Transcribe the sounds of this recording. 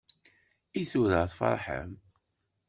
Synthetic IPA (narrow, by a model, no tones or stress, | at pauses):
iθuɾəʁθfɑ̰ɾˤħə̰m